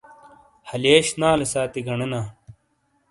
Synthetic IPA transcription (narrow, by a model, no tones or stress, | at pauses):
hɐleːɕnaːlɐsaːt̪iɡɐɳɐnaː